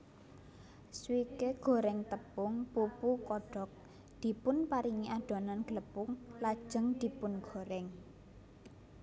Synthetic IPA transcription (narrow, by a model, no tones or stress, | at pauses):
swikeɡ̥ɔ̤ɾɛŋt̪əpʊŋpupukɔɖ̥ɔk̚ | d̪̥i̤pʊnpaɾiŋiʔaɖ̥ɔ̤nanɡ̥ələpʊŋlad̥ʒ̥ə̤ŋd̪̥i̤pʊnɡ̥ɔ̤ɾɛŋ